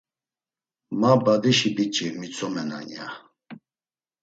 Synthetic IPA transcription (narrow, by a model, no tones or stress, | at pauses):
mabad̪iʃibit͡ʃʼimit͡sʰʼɔmɛna̰nja̰